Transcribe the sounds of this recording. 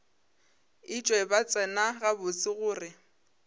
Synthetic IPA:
ɪt͡ʃʼwɛbat͡sʼɛnaɣabʊt͡sʼɪɣʊːrɪ

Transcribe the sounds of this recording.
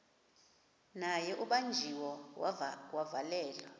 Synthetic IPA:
najɛʔuɓand͡ʒʱiwɔ | wavalɛːlɔ

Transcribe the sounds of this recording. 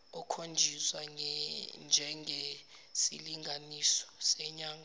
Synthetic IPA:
ɔkʰond͡ʒʱiswaŋnd͡ʒʱɛŋe | sḭliŋʱanisɔ̥sɛɲaːŋa

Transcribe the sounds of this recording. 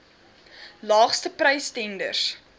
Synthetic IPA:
lɑːχstəprəjstɛndə̰rs

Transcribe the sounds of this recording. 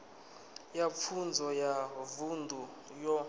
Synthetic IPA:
jap̪fʰund͡zʱɔjavundʱu | jɔ

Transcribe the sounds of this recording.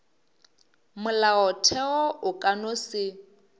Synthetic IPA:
mʊlaɔtʰɛɔʔʊkʼanosɪ

